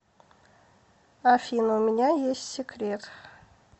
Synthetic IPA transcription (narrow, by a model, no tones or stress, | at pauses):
afʲinomɪnʲɑjesːʲekʰʲɾʲet̪